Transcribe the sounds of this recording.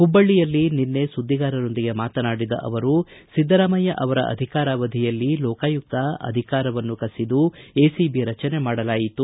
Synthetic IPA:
hubːɐɭːijɐlːininːe̞sud̪ʱːiɡaːɾɐno̞nd̪iɡe̞maːt̪ɐnaːɽid̪ɐ̰ʔɐ̰ʋɐɾusid̪ːɐɾaːmɐjɐʔɐʋɐɾɐ̰ʔɐ̰d̪ʱikaːɾaːʋɐd̪ʱijɐlːilɔːkaːjuk̚t̪ɐɐ̰d̪ʱikaːɾɐʋɐnːukɐsid̪ue̞ːsibiɾɐt͡ʃɐne̞maːɽɐlaːjit̪u

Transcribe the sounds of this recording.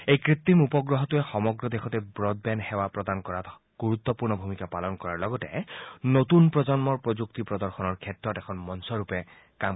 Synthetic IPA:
ejkɹit̪ːimupɔɡɹɔɦɔtuɛxɔmɔɡɹɔd̪exʰɔtɛbɹɔd̚bɛnxɛwapɹɔdankɔɹat | ɡ̥uɹut̪ːɔpuɹnɔbʱumikapalɔnkɔɹaɹlɔɡɔtɛ̰notunpɹɔd͡ʒɔnmɔɹpɹɔzuktipɹɔd̪ɔɹxɔnɔɹkʰɛtɹɔtɛkʰɔnmɔnsɔɹupɛ | kam

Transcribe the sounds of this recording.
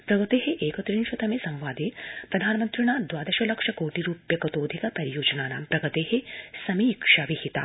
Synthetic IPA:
pɾɐɡɐt̪eːɦeʔeːkɐt̪ɾiːnʃɐt̪ɐmesɐ̃mʋaːd̪iːnpɾɐd̪ʱaːnɐmɐnt̪ɾiɳ̃aːd̪ʋaːd̪ɐʃɐlɐkʂɐkoːʈiɾuːpjɐkɐt̪oːd̪ʱikɐpɐɾijoːd͡ʒɐnaːna̰ːmpɾɐɡɐt̪eːɦesɐmiːkʂaːʋihit̪a̰ː

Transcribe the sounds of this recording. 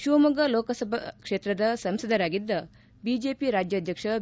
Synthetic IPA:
ʃuʋmɐɡɐloːkɐsɐbʱɐ̰kʂeːt̪ɾɐd̪ɐsɐmsɐd̪ʱɐɾaːɡid̪ːɐ | bid͡ʒeːpiɾaːd͡ʒjɐd̪ʱjɐkʂɐ

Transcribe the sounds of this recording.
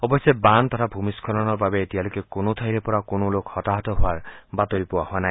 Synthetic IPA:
ɔbɔsɔbant̪ɔɾʰabʱumiskʰɔlɔnɔɾbabeːt̪ialokekonot̪ʰajɾepɔɾakonolokhɔt̪aɦɔt̪ɔɦoaɹbat̪ɔɾipuahoanaj

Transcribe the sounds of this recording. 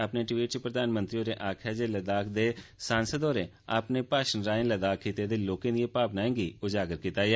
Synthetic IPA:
apneːʈʋiːʈt͡ʃpɾəd̪aːnmənt̪ɾioːɾeːʔaːkʰɛːd͡ʒeːləd̪aːkʰd̪eːsãːnsəd̪oːɾeː | a̰ːpneːpaːʃənɾaːẽnləd̪aːkʰːiːt̪eːd̪eːloːkẽːd̪ijeːpaːpnaːẽːɡiːʊd͡ʒaːɡəɾkit̪aːeː

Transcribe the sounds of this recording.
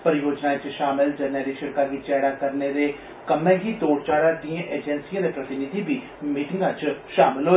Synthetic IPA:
pəɾjoːd͡ʒnaːt͡ʃʃaːmɪld͡ʒəneːɾiːʃəɾkaːɡiːt͡ʃɛːɽaːkəɾneːd̪eː | kəmɛ̃ːɡiːt̪oːɽt͡ʃaːɽaːd̪iːãːʔeːd͡ʒɛnsijãːd̪eːpɾət̪ɪnɪd̪iːbiː | miːʈɪ̃ŋɡãːt͡ʃʃa̰ːmɪlɦoː

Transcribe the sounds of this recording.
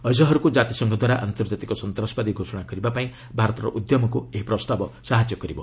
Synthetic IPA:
ʌsɔɦɔɾukud͡ʒat̪isɔŋɡʱɔd̪waɾaʔant̪ɔɾd͡ʒat̪ikɔsɔnt̪ɾɔsbad̪iɡʱosɔɽ̃akɔɾibapaĩ | bʱaɾɔt̪ɔɾɔ̰ʔud̪jɔmɔkueɦipɾɔst̪abɔsaɦad͡ʒjɔkɔɾibɔ

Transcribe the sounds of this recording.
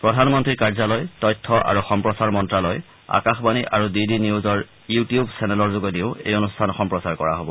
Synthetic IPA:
pɹɔdʱanmɔntɹiɹkaɹzɔlɔjtɔjtʰːɔʔa̰ɹuxɔmpɹɔsaɹmɔntɹalɔj | a̰kaxbaniʔaɹudidiniuzɔɹ | jutijubsʰɛnɛlɔɹzoɡɔdiʊḛjonustʰanxɔmpɹɔsaɹkɔ̰ɹa̰ɦobɔ

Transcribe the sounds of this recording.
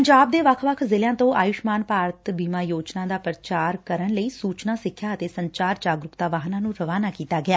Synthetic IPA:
əɲd͡ʒaːb̚d̪eːʋəkʰʋəkʰzɪljãːt̪õːʔaːjʊʃmaːnpaːɾət̪biːmaːjoːd͡ʒnãːd̪aːpɾət͡ʃaːɾkəɾənləiːsuːt͡ʃnãːsɪkʰːjaːət̪eːsəɲt͡ʃaːɾd͡ʒaːɡɾʊkt̪aːʋaːɦnãːnũːɾəʋaːnaːkiːt̪aːɡɪjaː

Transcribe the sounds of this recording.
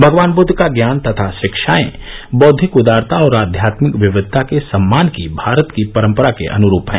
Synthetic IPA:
bʱɐɡʋaːnbʊd̪ʱːkaɡjaːnt̪ɐt̪ʰaʃɪkʃaːḛ̃bɔːd̪ʱːɪkʊd̪aːɾt̪aɔːɾaːd̪ʱjaːt̪mɪkʋɪʋɪd̪ʱt̪ːakesɐmːaːnkibʱaːɾət̪kipɐɾə̃mpəɾakḛʔɐ̰nʊɾuːpɦɛ̰̃ː

